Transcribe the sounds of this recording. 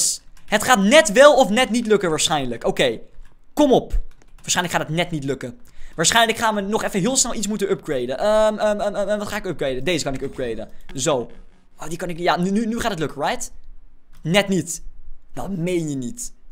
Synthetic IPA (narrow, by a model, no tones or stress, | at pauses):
sɦətχaːtnɛtʋɛlˠɔfnɛtnitlɵkənʋaːɹsχɛjnləkowkej | kɔmɔpʋaːsɛjnləkχaːtətnɛtnitlɵkəʋaːɹsχɛjnləkχaːmənɔχɛfəɦɪːlˠsnɛlˠitsmutənʔœp̚ɡɹejdənʔəəʋɑtχaːɪkœb̚ɡɹejdədejzəkɑnɪkœp̚ɡɹejdə̰zow | odikɑnɪkjaːnynynyχaːtətlɵkəɹɛjt | nɛtnitdɑ̰mejnjənit